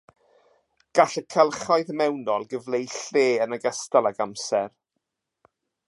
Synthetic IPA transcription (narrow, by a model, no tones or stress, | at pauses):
ɡ̥aɬəkʰəlˠχajðmɛwnɔlˠɡəvlejɬeːənəɡəstalˠaɡamsɛr